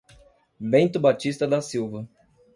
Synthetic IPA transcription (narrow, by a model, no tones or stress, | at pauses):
bẽnt̪ʊbat͡ʃist̪ɐd̪ɐsiwvɐ